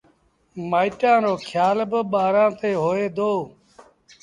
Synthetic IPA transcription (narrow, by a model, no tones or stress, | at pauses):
maːiʈãːɾoːkʰjaːlbəɓaːɾãːt̪eːɦoːeːd̪oː